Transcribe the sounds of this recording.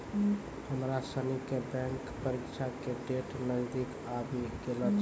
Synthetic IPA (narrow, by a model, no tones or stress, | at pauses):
həmɾasənikebɛ̃ŋkpəɾikʃʰakeɖeʈnəzd̪ik | abikelət̪